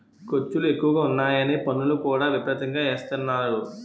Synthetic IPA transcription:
kot͡ʃːulue̞kːuʋɐɡaːunːaːjɐniːpɐnulukuːɽaːʋibɾɐt̪ɐŋɡaːeːst̪ɐnːaːɾu

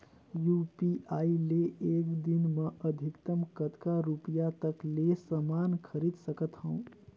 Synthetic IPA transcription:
jupiaileekd̪inməʔəd̪ʱikt̪əmkət̪kaɾupijat̪əklesəmankʰəɾid̪səkət̪hə̃ũ

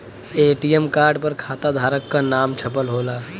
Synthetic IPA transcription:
eːʈijəmkaːɾɖpəɾkʰaːt̪ad̪ʱaːɾəkːanaːmt͡ʃʰəpəlɦoːlaː

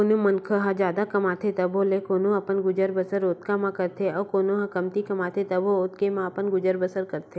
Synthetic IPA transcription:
onõmənkʰəɦãd͡ʒjaːd̪akɐmaːt̪ʰet̪ɐbʱolekoːnõɐpənɡʊd͡ʒəɾbəsəɾoːt̪kamãkɐɾt̪ʰeɔːɾkoːnõɦãkɐmt̪ikɐmaːt̪ʰet̪ɐboʊt̪kemãɐpənɡʊd͡ʒəɾbəsəɾkɐɾt̪ʰeː

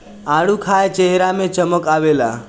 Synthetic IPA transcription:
aɽukʰajt͡ʃeɦɾamẽt͡ʃəməkaʋela̰

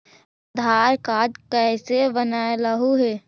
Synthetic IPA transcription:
d̪ʱaːɾkaːd̪kɛːsebənaːeləɦuɦɛː

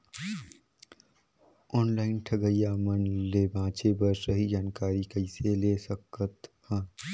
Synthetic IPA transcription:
ɔːnlaːɪnʈʰɐɡəjamənleːbãːt͡ʃebəɾsəɦid͡ʒaːnkaːɾikəɪseleːsəkət̪hɛ̃ː

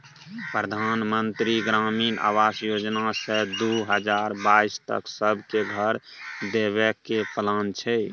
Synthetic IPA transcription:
pɾəd̪ʱanmənt̪ɾiɡɾaminʔa̰ʋasjod͡ʒnasə̃d̪uɦəd͡ʒaɾbaist̪ə̰ksəbʱkeɡʱəɾ | d̪eβɛkepəlant͡ʃʰɛ

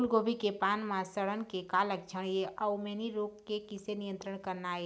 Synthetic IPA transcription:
lɡobʱikepanmãsəɽənkekalək̚d͡ʒʰʱəɽ̃jeʔaumeniɾoɡkːekisenijə̃nt̪ɾəɳkəɾnaːe

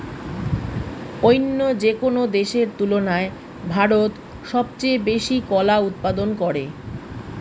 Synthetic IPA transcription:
ojnːod͡ʑekonod̪eʃeɾt̪ulonae | bʱaɾot̪ | ʃɔb̚t͡ɕejbeʃikɔlaut̪̚pad̪onkɔɾḛ

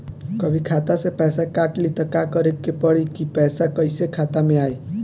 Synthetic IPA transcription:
kʌbʱikʰat̪asepɛjsakaʈlit̪ɔkakɔɾekːepɔɽikipɛjsakʌjsekʰat̪amẽaj

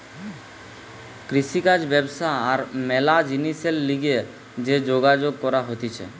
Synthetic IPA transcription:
kɾiʃikad͡ʒbɛbsaaɾmɛlad͡ʒiniselːiɡe | d͡ʒed͡ʒoɡad͡ʒoɡ̚kɔɾaɦot̪it͡ʃʰɛ̰

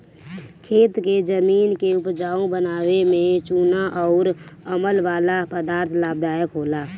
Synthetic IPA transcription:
kʰeːt̪ked͡ʒəmiːnkeʊpd͡ʒaːõbənaːwemẽt͡ʃuːnaʔɔʊɾəməlʋaːlapəd̪aːɾt̪ʰlaːb̚d̪aːjəkɦoːlaː

